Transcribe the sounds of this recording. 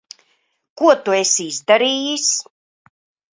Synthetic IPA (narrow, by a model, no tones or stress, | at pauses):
kuɔt̪uesizd̪aɾiːjis